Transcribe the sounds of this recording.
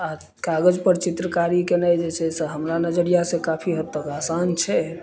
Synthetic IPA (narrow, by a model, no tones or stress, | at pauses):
a | kaɡəd͡ʒpəɾt͡ʃit̪ɾəkaɾikenajd͡ʒet͡ʃʰɛseɦəmɾanəd͡ʒəɾijasẽkapʰiɦət̪ːəkasant͡ʃʰɛ